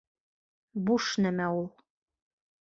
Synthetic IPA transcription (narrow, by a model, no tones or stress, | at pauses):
buʃnæmæulˠ